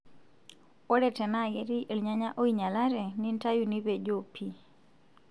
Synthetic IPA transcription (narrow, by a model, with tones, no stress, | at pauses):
o˦ɾɛ˨tɛ˨na˦˨jɛ˦ɾi˦ʔe˨lɲa˦ɲa˦ʔo˦iɲa˨la˦ɾɛ˨ni˦nta˦ju˨ni˦βɛ˨d͡ʒopʰi˦